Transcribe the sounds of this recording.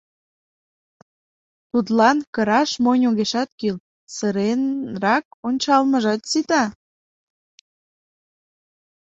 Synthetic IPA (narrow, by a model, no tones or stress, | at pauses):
t̪ut̪lɑnkə̆ɾɑʃmonʲoɣeʃɑt̪̚kil | səɾenrɑk̚onʲt͡ɕɑlmə̆ʒɑt̪sit̪ɑ